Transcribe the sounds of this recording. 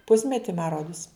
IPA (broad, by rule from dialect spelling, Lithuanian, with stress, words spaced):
ˈpʊsʲmʲɛtʲɪ mɐ ˈroːdʊs